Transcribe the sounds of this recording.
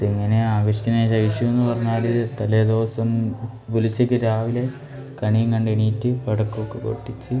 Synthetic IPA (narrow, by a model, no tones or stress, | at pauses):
iŋːɐne̞aːɡɐɕi̥kʲːɐnːeɕɐjʂjɐmenːɨpɐrɐɲːaːɽiːðet̪ɐleːd̪oːsɐm | pulit͡ɕːekʲːɨɾaːʋile̞ | kɐɳijŋkɐɳɖiɳiːtːɨpeɽɐkːokːeko̰ʈːit͡ɕːɨ